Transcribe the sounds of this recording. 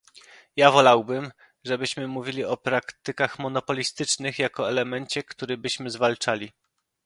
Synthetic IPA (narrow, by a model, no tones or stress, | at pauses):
javɔlawbɘm | ʐɛbɘɕmɘmuvʲilʲiɔpɾakt̪ɘkaxmɔnɔpɔlʲist̪ɘt͡ʂnɘxjakɔɛlɛmɛɲt͡ɕɛkt̪uɾɘbɘɕmɘzvalt͡ʂalʲi